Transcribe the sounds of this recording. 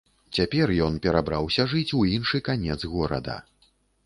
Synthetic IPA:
t͡sʲapʲɛrjɔnpʲɛɾabɾawsʲɐʐɨt͡sʲuinʂɨkanʲɛd̪zɣɔɾɐ̰d̪ɐ̰

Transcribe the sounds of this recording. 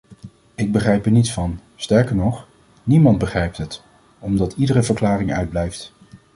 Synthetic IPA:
ɪɡ̚bəχrɛjpɛɹnitsfɑn | stɛɹkəɹnɔχ | nimɑndbəχrɛjp̚tɦət | ɔmdɑtʰidərəvəɹklaːrɪŋœ̰ɥd̚blɛjft

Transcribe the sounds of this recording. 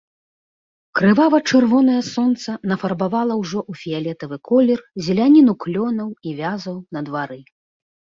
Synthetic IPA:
kɾɨvavɐt͡ʂɨrvɔnɐjɐsɔnt̪sɐnɐfɐrbavalˠɐwʐɔʔufʲijalʲɛt̪ɐvɨkɔlʲɛrzʲɛlʲanʲinuklʲɔnɐwivʲazɐwnɐd̪vaɾɨ

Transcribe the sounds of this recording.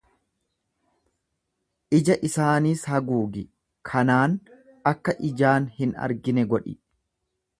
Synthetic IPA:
ʔɪd͡ʒɐʔɪsaːniːshɐɡuːɡɪ | kʰɐnaːn | ɐkːɐʔɪd͡ʒaːnhɪnɐ̰ɾɡɪnɛɡɔᶑɪ

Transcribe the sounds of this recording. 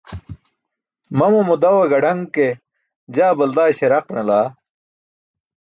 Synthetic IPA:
mɐmomud̪ɐweɡɐɖɐŋke | d͡ʑaːbɐld̪aːɕeɾɐqnɐlaː

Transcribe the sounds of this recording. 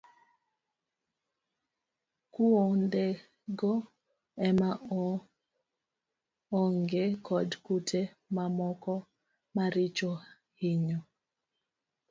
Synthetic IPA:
kuonde | ɡɔ | ɛma | ŋɡekʰɔdkutʰe | mamɔkɔ | maɾɪt͡ʃo | hiɲɔ

